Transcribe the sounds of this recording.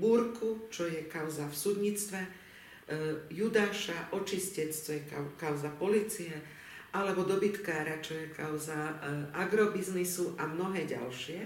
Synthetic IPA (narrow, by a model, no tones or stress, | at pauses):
buɾkut͡ʃɔjɛkaʊzafsud̪ɲit͡st̪ʋɛ | jud̪aːʃaʔɔt͡ʃiscɛt͡st͡ʃɔjɛkaʊzapɔliːt͡sijɛ | ʔalɛbɔd̪ɔbit̪kaːɾat͡ʃɔjɛkaʊzaʔaɡɾɔbiznisuʔamnɔɦɛːɟa̰lʃɪɛ